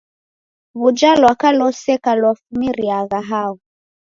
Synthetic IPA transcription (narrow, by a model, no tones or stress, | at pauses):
βud͡ʒalwakalɔsɛkalwafumiɾiaɣaɦaɣu